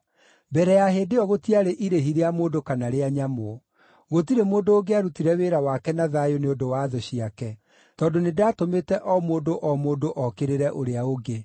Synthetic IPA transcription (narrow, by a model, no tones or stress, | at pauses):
bɛɾɛjaɦedeɔɣotiaɾeʔiɾeɦiɾeamoːdokanaɾeaɲamo | ɣotiɾemoːndooɡeaɾutiɾɛweɾawakɛnaðajoneodowaðɔɕiakɛ | tɔːdonedatometɛʔɔmoːdoʔɔmoːdoʔɔkeɾeɾɛʔoɾeaoɡe